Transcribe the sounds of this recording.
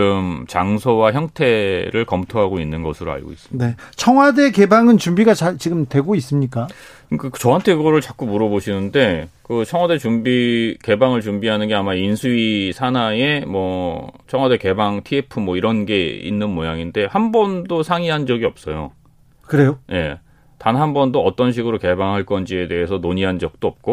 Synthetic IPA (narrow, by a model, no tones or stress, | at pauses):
ɯmt͡ɕaŋsʰowaçjʌŋtʰe̞ɾɯɭkʌmtʰoɦaɡoinːɯnɡʌsʰɯɾoa̰ɭɡo̰ḭs͈ɯminet͡ɕʰʌŋwade̞ke̞baŋɯnt͡ɕumbiɡat͡ɕaɭt͡ɕiɡɯmtwe̞ɡois͈ɯmɲik͈a | kat͡ɕʌɦantʰe̞ɡʌɾɯɭt͡ɕak͈umuɾʌboɕʰinɯnde̞kɯt͡ɕʰʌŋɦwade̞t͡ɕumbike̞baŋɯɭt͡ɕumbiɦanɯnɡeamainsʰuisʰanae̞mwʌt͡ɕʰʌŋwade̞ke̞baŋtʰiepʰɯmwʌiɾʌnɡe̞ḭnːɯnmojaŋinde̞hambʌndosʰaŋiɦand͡ʑʌɡiʌp̚s͈ʌjo̰ | kɯɾe̞joje̞̰ | tanɦambʌndoʌt͈ʌnɕ̬ʰiɡɯɾoke̞baŋɦaɭk͈ʌnd͡ʑie̞de̞ɦesʰʌnoɲiɦand͡ʑʌk̚t͈oʌp̚k͈o